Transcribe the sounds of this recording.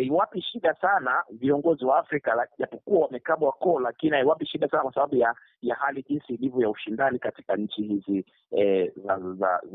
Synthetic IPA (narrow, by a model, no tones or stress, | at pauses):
aiwapiʃiɗasanaviɔŋɡɔziwaːfɾikalaʄapɔkuawamɛkaɓwakɔlakinihaiwapiʃiɗasanakwasaɓaɓuja | jahaliʄinsiːlivɔjauʃindanikati̥kaɲ̩t͡ʃihizi | ɛzaza̰